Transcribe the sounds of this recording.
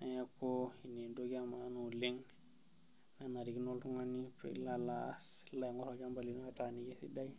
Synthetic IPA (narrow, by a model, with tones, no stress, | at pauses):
na˨ja˦ko˦i˨ni˨do˦ɡi˦a˦ma˨a˦no˨le˦ŋ | na˨na˨ɾi˨ki˦no˦ltu˦ŋa˦ni˦pɾḛ˨˦la˦la˨˦sla˨ŋɡo˦ɾo˨d͡ʒa˦mba˨li˨no˦a˦˨ta˨ni˨ɡe˦si˦da˦i˦